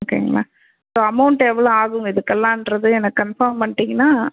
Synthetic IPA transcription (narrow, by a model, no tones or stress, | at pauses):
oːkːḛːŋɡɐɭa̰ː | soːɐmɐʊɳʈɛʋːɐɭoːaːɣʊŋɡɐɪðɯkːɛlːãːnɾɐðɯɛnɐkːkɐnfɐːɾmpɐɳːʈːiŋɡɐnaː